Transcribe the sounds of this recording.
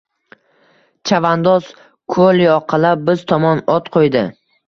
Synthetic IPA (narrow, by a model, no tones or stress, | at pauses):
t͡ʃʰavand̪ɒz̥ | kʰoliɒqʰɑlˠabɪzt̪ʰɒmɒnɒt̪qʰojd̪ɪ